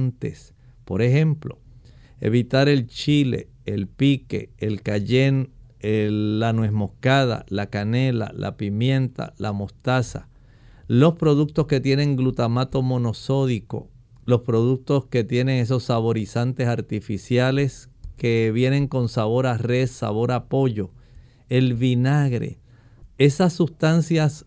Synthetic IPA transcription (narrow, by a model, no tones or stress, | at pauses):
nt̪e̞s | po̞ɾe̞he̞mplo̞̰ | e̞̰βit̪aɾe̞lt͡ʃile̞̰ | elpike̞̰ːlkaʝeneanwesmo̞hkað̞a̰lakane̞la̰lʔa̰pimjẽ̞nt̪a̰lamo̞st̪asa̰ | lo̞spɾo̞ðuk̚t̪o̞ske̞t̪je̞nẽ̞ŋɡlut̪amat̪o̞mõ̞no̞so̞ðiko̞̰ | lo̞spɾo̞ðuk̚t̪o̞ske̞t̪je̞ne̞ŋe̞s̬o̞sːaβo̞ɾisant̪e̞saɾt̪ifisjale̞s | ke̞βje̞nẽ̞ŋko̞nsaβo̞ɾare̞ssa̰βo̞ɾapo̞ʝo̞ | e̞lβinaɣɾe̞̰ | e̞sasːust̪ansjas